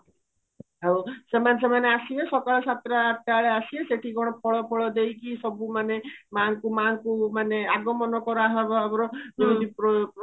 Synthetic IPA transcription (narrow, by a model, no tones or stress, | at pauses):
ɦawsemanes̬emaneasiesɔkaɭɔsat̪ɾaat̪̚ːaɭeasieseʈʰikɔɽ̃ɔpɔɭɔpɔɭɔd̪ejkisɔbumanemankumankumaneaɡɔmɔnɔkɔɾɔaɦabɔabɔɾɔbiɾud̪ʱipɔ